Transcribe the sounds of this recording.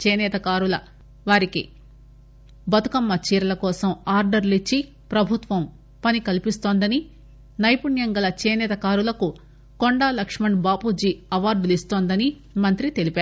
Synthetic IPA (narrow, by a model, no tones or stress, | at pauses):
t͡ʃɛːnɛːt̪ɐkaːɾulɐ | ʋaːɾikḭ | bɐt̪u̥kɐmːɐt͡ʃiːɾɐlɐkɔːsɐmaːɾɖɐɾlit͡ʃːi | pɾɐbʱut̪ʋɐm | pɐnikɐlipist̪oːnd̪ɐni | nɐjpuɳjɐŋɡɐlɐt͡ʃɛːnɛːt̪ɐkaːɾulɐku | koɳɖaːlɐkʂmɐɳbaːpuːd͡ʒiːɐʋaːɾɖulist̪oːnd̪ɐni | mɐnt̪ɾit̪e̞lipaːɾu